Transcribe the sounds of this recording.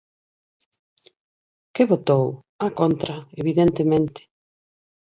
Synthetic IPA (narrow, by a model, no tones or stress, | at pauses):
kɪβot̪ow | akont̪ɾaeβiðent̪emẽnt̪ɪ̥